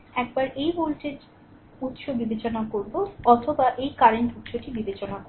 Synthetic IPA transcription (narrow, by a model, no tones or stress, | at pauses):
ɛk̚baɾʔejbolʈeɾ | ut̪ːʃobibet͡ɕonakoɾboɔt̪ʰobaʔejkaɾeɳʈut̪ːʃoʈibibet͡ɕonako